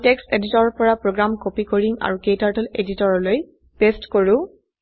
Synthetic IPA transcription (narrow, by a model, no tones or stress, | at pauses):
teksteditɔɹpɔɹapɹoɡɹamkopikoɹiŋa̰ɹukejtaɹtɔleditɔɹɔloj | pestkoɹʊ̃